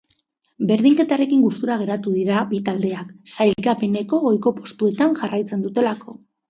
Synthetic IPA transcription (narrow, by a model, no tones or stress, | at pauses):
be̞ɾðiŋke̞t̪aɾe̞kiŋɡust̪uɾaɣ̞e̞ɾat̪uðiɾabit̪ald̪e̞aksajlkape̞ne̞ko̞o̞jko̞post̪ue̞t̪aŋʝarajt͡se̞nd̪ut̪e̞lako̞